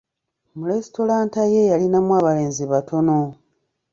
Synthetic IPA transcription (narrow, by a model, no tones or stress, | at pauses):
mulesto̞laːntajejalinamwaːβale̞ːnziβatʰo̞no̞